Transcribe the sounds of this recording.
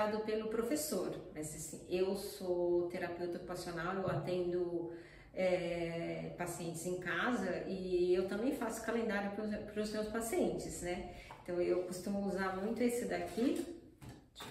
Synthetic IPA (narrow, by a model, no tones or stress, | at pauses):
ad̪ʊpelʊpɾofesoɾmɐzasĩewsot̪eɾapewt̪okupasionawewat̪ẽnd̪ʊ | ɛ | pasiẽnt͡ʃɪzẽkazɐɪewt̪ɐ̃mbẽj̃fasʊ̥kalẽnd̪aɾjʊppɾʊsmewspasiẽnt͡ʃɪznɛẽt̪ɐ̃w̃ewkost̪ũmʊuzaɾmũj̃t̪ʊesɪd̪akʰi